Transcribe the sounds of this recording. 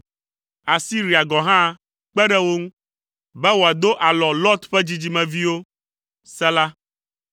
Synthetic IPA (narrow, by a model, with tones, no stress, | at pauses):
a˨si˦ɾi˨a˨ɡɔ˨ɦã˦ | k͡pɛ˦ɖɛ˦wo˦ŋũ˦ | bɛ˦wo˨a˨d̪o˦ʔa˨lɔ˨lɔ˦t̪ɸɛ˦d͡ʑi˦d͡ʑi˦mɛ̃˨vi˦wo˦ | sɛ˦la˦